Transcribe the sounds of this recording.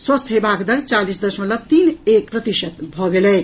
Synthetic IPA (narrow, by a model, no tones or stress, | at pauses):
swəst̪ʰɦebakd̪əlt͡ʃalisd̪əʃmələt̪inekpɾət̪iʃət̪bʱɔɡelɛ